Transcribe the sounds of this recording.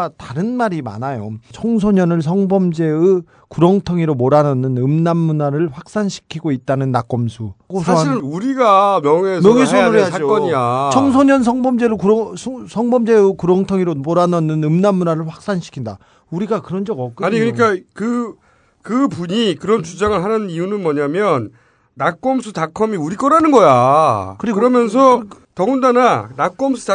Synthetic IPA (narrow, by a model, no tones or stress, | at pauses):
ataɾɯnmaɾima̰najot͡ɕʰʌŋs̬ʰoɲʌnɯɭs̬ʰʌŋbʌmd͡ʑe̞ɯ | kuɾʌŋtʰʌŋiɾomoɾanʌnːɯnɯmnamːunaɾɯɭɸwak̚s͈anɕʰi̥kʰiɡoit̚t͈anɯnːak͈ʌmsʰukosʰaɕʰiɾɯuɾiɡamjʌŋemjʌŋesʰʌnuɾiaad͡ʑok͈ʌɲiat͡ɕʰʌŋsʰoɲʌns̬ʰʌŋbʌmd͡ʑe̞ɾɯkusʰʌŋbʌmd͡ʑeɾokuɾwʌŋtʰʌŋiɾomoɾanʌnːɯnɯmnamːunaɾɯɭɸwak̚s͈anɕʰi̥kʰinda̰ | uɾiɡakɯɾʌnd͡ʑʌɡʌk͈ɯaɲɲikɯɲik͈akɯ | kɯpuɲikɯɾʌnt͡ɕud͡ʑaŋɯɭɦanɯnnijunɯnmʌɲamjʌnː | ak͈ʌmsʰutakʰʌmiuɾik͈ʌɾanɯnɡʌjakɯɾiɡɯɾʌmjʌns̬ʰʌ | tʌɡundananak͈ʌmsʰu̥ta